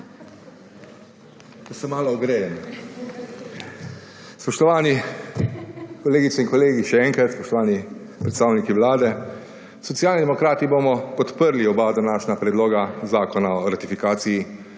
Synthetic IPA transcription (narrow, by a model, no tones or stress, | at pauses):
kɛsɛmaːlɔɔɡɾeːjɛn | spɔʃt̪ɔʋaːni | kɔleːɡit̪sɛiŋkɔleːɡiʃɛɛːŋkɾat̪spɔʃt̪ɔʋaːni | pɾɛt̪st̪aːwnikiʋlaːd̪ɛ | sɔt̪sijaːlnid̪ɛmɔkɾaːt̪iboːmɔpɔt̪pəɾliɔbad̪anaːʃnapɾɛd̪loːɡazaːkɔnaɔɾat̪ifikaːsiji